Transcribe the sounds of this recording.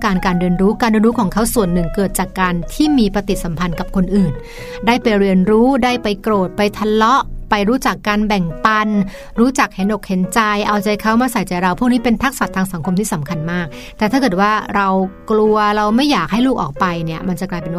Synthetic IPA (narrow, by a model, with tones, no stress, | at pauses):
kaː˧nkaː˧nɾɯ˧ənɾuː˦˥kaː˧nɾi˧nɾuː˦˥kʰɔː˩˦ŋkʰa˦˥wsu˨˩ənːɯ˨˩ŋkɤː˨˩t̪̚t͡ɕaː˨˩kːaː˧nt̪ʰiː˥˩miː˧pɾa˧t̪i˨˩t̪̚sa˩˦mpʰa˧nka˨˩p̚kʰo˧nʔɯː˨˩n | daː˥˩jpa˧jɾi˧ənɾuː˦˥daː˥˩jpa˧jkɾoː˨˩t̪̚pa˧jt̪ʰa˧lɔ˦˥ʔpa˧jɾuː˦˥t͡ɕa˨˩kːaː˧nbɛ˨˩ŋpa˧n | ɾuː˦˥t͡ɕa˨˩k̚he˨˩˦nʔo˨˩k̚he˨˩˦nt͡ɕa˧jʔa˧wt͡ɕa˧jkʰa˦˥wmaː˧sa˨˩˦jt͡ɕa˧˩jɾa˧wpʰuː˥˩k̚niː˦˥pe˧nt̪ʰa˦˥k̚sa˨˩t̪ʰːaː˧ŋsa˨˩˦ŋkʰo˧mt̪ʰiː˥˩sa˩˦mkʰa˧nmaː˥˩k̚ | t̪ɛː˨˩t̪ʰaː˥˩kɤː˨˩t̪̚waː˥˩ɾa˧wklu˧ɐɾa˧wma˥˩jːaː˨˩k̚ha˥˩jluː˥˩k̚ʔɔː˨˩k̚pa˧jni˥˩ɐma˧nt͡ɕa˨˩klaː˧jpe˧nw